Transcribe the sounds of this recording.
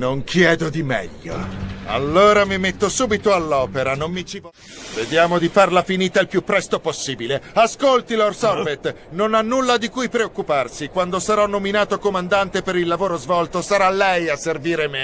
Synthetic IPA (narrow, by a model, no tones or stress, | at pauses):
noŋkʰjɛːd̪od̪imɛ̰ʎːo̰a̰lːoːɾamimet̪ːosuːbit̪oalːɔːpeɾanomːit͡ʃiv | ved̪jaːmod̪ifarlafiniːt̪ailpjupːɾɛst̪oposːiːbileaskolt̪ilorsɔrvet̪ | nonanːulːad̪ikujpɾeokːuparsikwand̪osaɾɔnːominaːt̪okomand̪ant̪epeɾilːavoːɾozvɔlt̪osaɾalːɛjasːerviːɾeme